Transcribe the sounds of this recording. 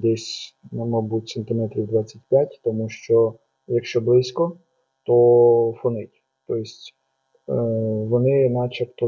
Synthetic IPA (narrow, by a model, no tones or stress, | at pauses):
d̪ɛsʲnmɔbutʲsent̪ɪmɛt̪ɾʲiwd̪ʋɑt͡sʲːɐtʲpʲjatʲt̪ɔmuʃt͡ʃɔ | jɐkʃt͡ʃɔblˠɪsʲkɔ | t̪ɔfɔnɪtʲ | t̪ɔjɪsʲtʲ | ʋɔnɪnɑt͡ʃɛpt̪ɔ